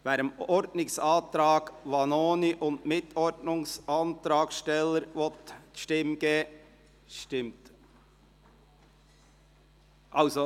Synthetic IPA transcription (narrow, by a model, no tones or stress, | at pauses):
væːɾəmɔɾdnɪŋsɑːt̪ɾɑːɡ̥vɑnoːniʔʊndmɪt̪ʰɔɾdnʊŋsʔɑnt̪ɾɑːɡʃtɛləɾʋɔtʃtɪmɡ̥eː | ʃtɪmt | ʔɑʊso